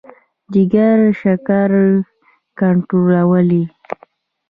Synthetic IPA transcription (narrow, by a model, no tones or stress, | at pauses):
d͡ʒiɡaɾʃakaɾ | kaɳʈɾolawəli